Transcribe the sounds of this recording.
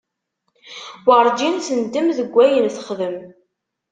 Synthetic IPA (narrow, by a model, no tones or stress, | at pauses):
wəɾˤd͡ʒinθənd̪əmðəɡʷːæjənθəχðəm